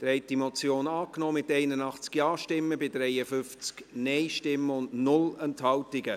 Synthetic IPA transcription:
d̥ɾɛɪtimɔt͡sjoːnɑːknɔːmɪtɛɪnənɑχt͡skjɑːʃtɪmːəbɪdɾɛɪəfʏnft͡sknɛɪʃtɪmːəʊndnʊlɛnthɑltɪɡə

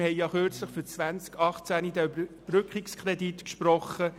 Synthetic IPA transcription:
hɛɪjɑχʏɾt͡sləχfyt͡sʋænt͡skʰɑχt͡sænidəybəb̥ɾʏkχikskʰɾɛditkʃpɾɔχə

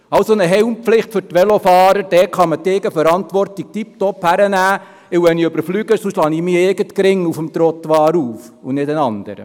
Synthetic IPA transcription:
ɑwsonəɦɛwmpflɪχtfʏɾtʋɛlofɑːɾəɾd̥ɛkχɑməteːɡəfəɾɑntʋɔrtik̚tip̚tɔphæɾənæː | ɪwʋɛniøbəɾflyːɡəsuʃlɑniːmiːɪːɡətkɾɪŋːufəmt̪ɾot̪ʋɑːɾuːfʊnɪdənɑnd̥̪ə̰ɾə̰

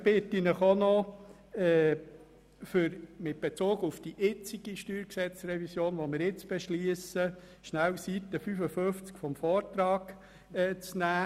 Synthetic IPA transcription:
b̥ɪt̪ːinəχonɔ | ɛː | fʏɾmɪt̚b̥et͡soːɡufd̥iʔɪt͡siɡ̥iʃtyːɾksɛt͡srɛvisjoːnʋomɪɾɪt͡sb̥eʃliəsə | ʃnælsit̪ːəfyfəfɵft͡skfɔmfɔːɾtɾɑːɡ | ɛːt͡snæː

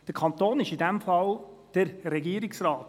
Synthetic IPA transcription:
d̥əɾkʰɑnt̪oːnɪʃidæmfɑld̥əɾɾɛɡiəɾɪksrɑːt

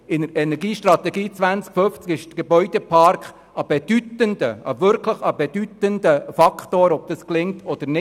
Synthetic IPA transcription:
ɪnəɾɛnɛɾɡiːʃtrɑt̪ɛɡiːt͡sʋænt͡skføft͡skɪʃtɡ̥ebœʏd̥ɛpʰɑɾkχ | ɑb̥ɛd̥ytəndəɑʋʏɾkʰləχɑbɛd̥yt̪əndəfɑkχtoːɾɔb̥̚d̥ɑsklɪŋtʰɔd̪̥əɾnɪ

